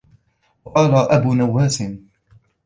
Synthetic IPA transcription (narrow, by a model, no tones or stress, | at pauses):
wqɑːlaʔabuːnawːaːsɪm